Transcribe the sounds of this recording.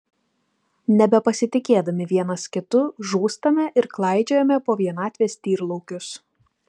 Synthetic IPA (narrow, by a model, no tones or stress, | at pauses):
nʲɛbʲɛpɐsʲɪt̪ʲɪkʲeːd̪ɐmʲɪʋʲiɛnɐskʲɪt̪ʊʒuːst̪ɐmʲɛʔɪɾklˠɑˑɪd͡ʒʲɛjomʲɛpoːʋʲiɛnɑːt̪ʲʋʲeːst̪ʲiːɾlˠɔʊkʲʊs